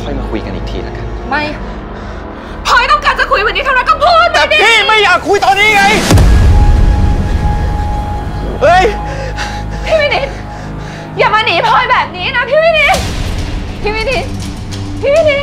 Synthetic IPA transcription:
kʰɔ˥˩jmaː˧˩kʰṵ˧ka̰˧nʔḭː˨˩k̚t̪ʰḭː˧na̰˦˥kʰa˧˥ma˥˩j | pʰɔː˧jt̪ɔ˥˩ŋkaː˧˩nt͡ɕa˨˩kʰu˧jm˧˦niː˧˦˥t̪ʰa˧˨ɾa˧jkɔː˥˩pʰuː˥˩t̪̚naː˧˨˧diː˧iː˧˥˩ma˥˩jːaː˨˩kʰːu˧jt̪ɔː˧nːiː˦˥ŋa˧j | ʔɤ˧˥˩j | pʰiː˧wi˧ni˧˥t̪ | jaː˨˩maː˧niː˨˩˦pʰɔː˧jbɛː˨˩p̚niː˦˥na˦˥pʰiː˧wiː˧˥˩niː˧˥ | pʰiː˧˩wiː˧˩ni˨˩˥t̪̚ | pʰiː˧wi˧ni˧˥

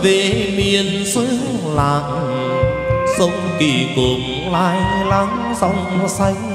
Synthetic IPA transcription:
ve˨˩mi˨˩ən | sɨ˧˦˥laː˧˨˩ŋ | sə˧˦wŋ͡mt̪i˧˩ku˨˩m | laː˧jlaː˧˦ŋ | za˧˩wŋ͡msa˧˦j

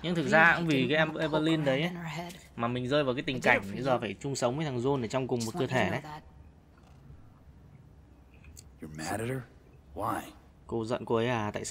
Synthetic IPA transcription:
ɲɨ̰˧˥ŋt̪ʰɨ˨˩k̚zaː˧a˧˥ŋ͡mvi˨˩kaː˨˦jʔɛ˧mə˨˦ʔe˧vəː˧li˧nɗə˨˦jʔə˨˦maː˨˩mï˨˩ŋ̟zəː˧jvaː˨˩kaː˨˦jt̪ï˨˩ŋ̟ka˧˩jŋ̟i˨˦zəː˨˩faː˧˩jt͡ɕʊ˧ŋ͡msə˨˦wŋ͡mməː˧˦t̪ʰa˨˩ŋzo˧nʔəː˧˩t͡ɕɔ˧wŋ͡mkʊ˨˩ŋ͡mmo˨˩t̚kɨː˧ət̪ʰe˧˩ə˨˦ | jə˨mæɾɨɾə˞ | waj | ko˧zə̰˧˨nko˧ə˨˦jʔaː˧˩t̪a̰ː˧˨s

